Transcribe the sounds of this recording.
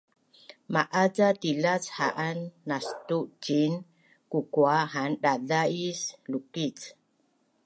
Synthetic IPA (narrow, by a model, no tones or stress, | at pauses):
maʔad͡zatilat͡sha̰ʔanːast̪uʔd͡ʒin | kukwaɦanɗadaislukit͡s